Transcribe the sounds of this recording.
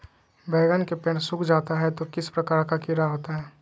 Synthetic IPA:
bɛːɡənkepɛːʈsʊkʰd͡ʒaːt̪aɦɛt̪okɪspɾɐkaːɾkakɪɾaɦoːt̪aɦɛː

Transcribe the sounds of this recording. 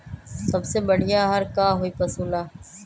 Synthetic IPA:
səbseːbəɽ̤ʱɪjaːɦəɾkaːɦoːiːpəsuːlaː

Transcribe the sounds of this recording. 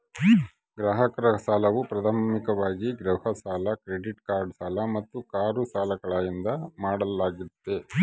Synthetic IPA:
ɡɾaːɦɐkɐɾɐsaːlɐʋupɾɐd̪ʱaːmikɐʋaːɡiɡɾɐhɐsaːlɐkɾeɖiʈkaːɾɖsaːlɐmɐt̪ːukaːɾusaːlɐɡɐɭaːjind̪ɐmaːɽɐlaːɡit̪ːe

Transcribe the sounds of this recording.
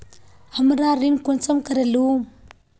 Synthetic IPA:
haməɾaɾinkunt͡samkaɾalum

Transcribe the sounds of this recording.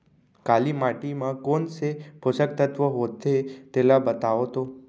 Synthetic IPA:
kalimaʈimãkonseposək̚t̪ət̪ʋəɦod̪ʱet̪elabət̪aʋot̪o

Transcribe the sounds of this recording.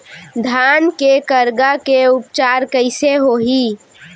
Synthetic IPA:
d̪ʱankekəɾɡakeʊpt͡ʃaːɾkəɪseɦoɦi

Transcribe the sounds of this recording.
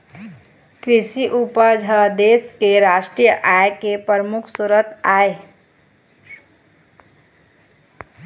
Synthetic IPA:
kɾɪʃiʔupəɾd͡ʒʱəd̪eːskeɾaːʃʈɾijəʔaːjkepəɾmʊkʰsʊɾət̪aːe

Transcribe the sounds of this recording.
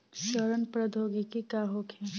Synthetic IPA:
ʃəɾənpɾəd̪ʱoːɡikikaːɦokʰe

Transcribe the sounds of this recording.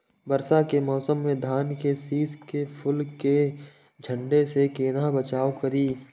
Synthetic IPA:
bɐɾsakemɔːsəmːẽd̪ʱaːnkesiːskepʰʊlke | d͡ʒʱə̃ɳɖesekeːnabət͡ʃaːwkɐɾiː

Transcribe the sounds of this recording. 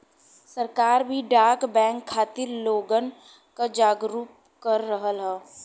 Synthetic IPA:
səɾkaːɾbʱiɖaːkbɛ̃ːŋkʰːaːt̪ɪɾloːɡən | kad͡ʒaːɡɾuːp̚ | kəɾːəɦəlɦɛː

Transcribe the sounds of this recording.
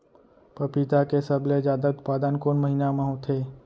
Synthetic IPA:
pəpit̪akesəblezjaːd̪aʊt̪paːd̪ənkoːnməɦinamẽɦot̪ʰeː

